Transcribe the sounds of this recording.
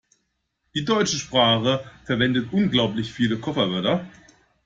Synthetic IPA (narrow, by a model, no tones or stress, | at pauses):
d̥iːdɔʏt͡ʃəʃpʁ̥aːχəfɛɐvɛndətʔʊnɡlaʊplɪçfiːləkʰɔfɐvœɐtɐ